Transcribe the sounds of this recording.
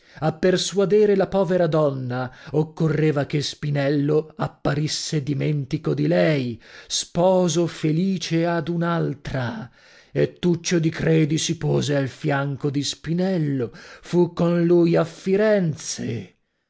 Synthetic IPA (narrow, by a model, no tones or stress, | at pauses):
apːersuad̪eːɾelapɔːveɾad̪ɔnːaokːorːeːvakespinɛlːoapːaɾisːed̪iment̪ikod̪ilɛjspɔːzofeliːt͡ʃead̪unalt̪ɾa | et̪ːut͡ʃːod̪ikɾeːd̪isipoːzealfjaŋkod̪ispinɛlːofukːonlujafːiɾɛnt̪sḛ